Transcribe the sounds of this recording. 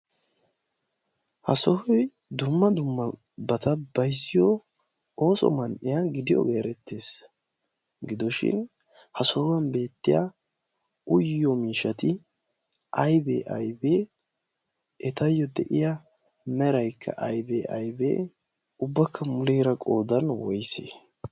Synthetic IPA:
hɐsɔhɔj | d̪ʊmːɐd̪ʊmːɐ | bɐt̪ɐb̥ɐjsɪjɔ | o̞ːsɔ̰mɐnʔɪjaɡɪd̪ɪjɔ̰ɡe̞ːɾɛt̪ːe̞ːs | ɡɪd̪ɔʃɪ̰n | hɐsɔwɐnbe̞ːt̪ːɪja̰ | ʊjːɔmiːʃɐt̪ɪ | ʔɐjbḛːʔɐjbeː | ɛt̪ɐjːɔd̪ɛʔɪja | mɛɾɐjkʰːɐ̰ʔɐjbeːʔɐjbḛː | ʊbːɐkʰːɐmʊleːɾɐkʼoːd̪ɐnwɔjsḛ

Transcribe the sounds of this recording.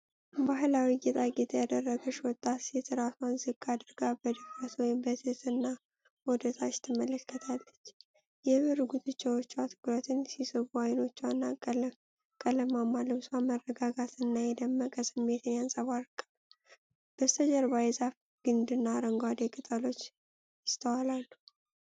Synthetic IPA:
baɦlawijɛt̪ʼaɡɛt̪ʰəjad̪ərːəɡəʃwɔt̪ʼːat̪ɛt̪ʰɨɾat̪wanzɨkʼːad̪ɨɾɡabəd̪ɨfɾat̪wɔjbət̪ʰɨt̪ɨnːa | wɔd̪ət̪ʰat͡ʃt̪ʰɨmələkːət̪ʰalːət͡ʃː | jɛβɨɾɡut̪ʰʼɨt͡ʃʼːɛwot͡ʃːwat̪ʰɨ̥kʼɾət̪ʰɨnsisɨbuajno̞t͡ʃːanːakʼl | kʼələmamːalɨβswamərːəɡaɡat̪ɨnːajɛd̪əmːəkʼəsɨmːe̞t̪ʰɨnjansʼaβaɾkʼːa | b̥əst̪ʰəd͡ʒəɾbajɛzaf | ɡ̥ɨnd̪ɨnːaɾəŋɡwad̪ekʼɨt̪ʼalo̞t͡ʃː | jɪst̪ʰəwalalːu

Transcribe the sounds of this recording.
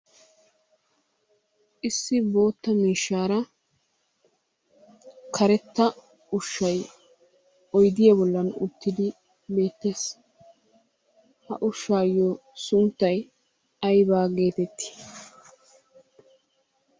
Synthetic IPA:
ʔɪsːɪbo̞ːt̪ːɐmiːʃːaːɾɐ | kʰɐɾɛt̪ːɐ | ʊʃːɐj | ɔjd̪ɪjɐbɔlːɐnʊ̰t̪ːɪd̪ɪ | be̞ːt̪ːe̞ːs | hɐ̰ʔʊʃːaːjːosʊnt̪ːɐj | ɐjbaːɡe̞ːt̪ɛt̪ːɪ̥

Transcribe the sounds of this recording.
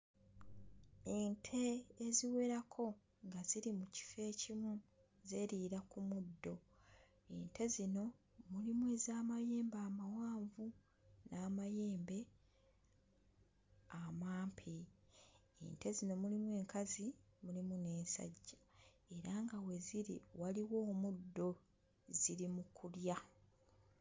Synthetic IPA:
eːntʰe̞ːziwe̞ɾakʰo̞ | ŋɡaziɾimuci̥fe̞ːcimu | ze̞ːɾiːɾakumudːo̞ | entʰe̞zino̞ | mulimwe̞ːzaːmaje̞ːmbaːmawaːɱvu | naːmaje̞ːmbe̞ | amaːmpʰi | ḛːnte̞zino̞mulimwe̞ːŋkazimulimune̞ːnsa̰ɟːa | e̞ɾaŋɡawe̞ziɾḭwaliwo̞ːmudːo̞ | ziɾimukulja

